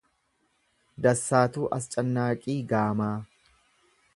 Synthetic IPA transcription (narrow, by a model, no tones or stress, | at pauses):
d̪ɐsːaːt̪uːʔɐst͡ʃʼɐnːaːkʼiːɡaːmaː